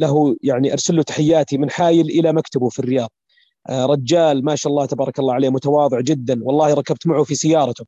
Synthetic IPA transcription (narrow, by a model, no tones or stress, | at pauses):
laɦujaʕniʔɑɾˤsalːut̪ḁħɪjːaːt̪imɪnħaːjɪlʔɪlamakt̪abufirːɪjɑːðˤ | ɾˤɑd͡ʒːaːlmaːʃaʔɑlˤːɑːht̪abɑːɾˤɑkɑlːɑːʕaleːmʊt̪awɑːðˤɨʕd͡ʒɪd̪ːanwɑlˤːɑːhɾˤɑkab̚t̪maʕufisɪjːɑːɾˤɑt̪ʊ